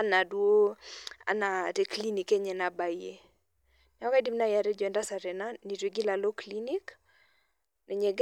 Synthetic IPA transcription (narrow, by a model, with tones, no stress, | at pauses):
a˦na˨dwo˦a̰˨na˨te˦kli˦ni˨ke˦ɲɛ˨na˨ba˨i˦e˨ | nɛ˨ɔ˦ka˦di˦mna˦ja˨ɾɛ˦d͡ʒo˨ɛ˨nda˦sa˨ɾɛ˨na˦ni˨twe˨ɡi˦la˨lo˦kli˦ni˦k | nɛ˨ɲɛ˨ɡ